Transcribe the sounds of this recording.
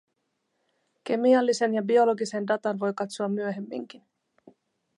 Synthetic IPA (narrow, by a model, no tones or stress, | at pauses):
ke̞miɑlːise̞njɑbio̞lo̞ɡise̞ndɑt̪ɑnʋo̞jkɑt̪soɑmːyø̞ɦe̞mːḭŋk̟in